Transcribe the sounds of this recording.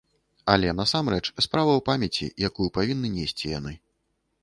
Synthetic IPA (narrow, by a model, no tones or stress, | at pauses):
ɐlʲɛn̪ɐsamɾɛt͡ʂspɾavɐwpamʲɐt͡sʲḭjakujupavʲinːɨnʲesʲt͡sʲija̰nɨ